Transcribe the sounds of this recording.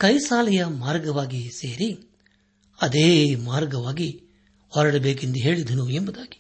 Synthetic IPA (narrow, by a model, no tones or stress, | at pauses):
kɐjsaːlɐjɐmaːɾɡɐʋaːɡise̞ːɾi | ɐd̪eːmaːɾɡɐʋaːɡi | ɔɾɐɽɐbe̞ːk̬ind̪uɦe̞ːɭid̪ɐnuembud̪aːɡi̥